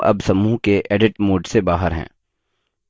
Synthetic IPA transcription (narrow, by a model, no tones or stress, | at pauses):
ɐ̰bsɐmuːɦkeʔeːɖɪʈmoːɖsebaːɦəɾɦɛ̰̃ː